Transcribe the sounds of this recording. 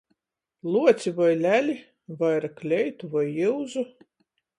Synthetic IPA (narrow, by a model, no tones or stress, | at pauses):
lˠuɔt̪sʲivajlʲælʲi | vajɾaklʲɛjt̪uvajːiwzu